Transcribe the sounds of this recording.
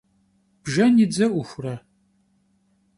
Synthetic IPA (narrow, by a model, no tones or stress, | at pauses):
b̥ʒɐnid͡zɐʔʷʊxʷʊrɐ